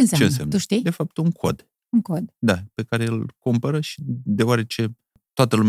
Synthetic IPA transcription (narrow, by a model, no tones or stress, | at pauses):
eɨnset͡ʃeɨnsa̰mnuʃt̪ijd̪e̞fap̚t̪uŋkʰo̞̰d̪ | uŋkod̪d̪ape̞kaɾe̞ɨlkumpəɾəʃi̥d̪e̞oaɾe̞t͡ʃe̞ | t̪oat̪əlumʲ